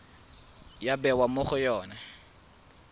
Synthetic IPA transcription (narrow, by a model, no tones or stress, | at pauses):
jabɛwamʊχʊjɔːna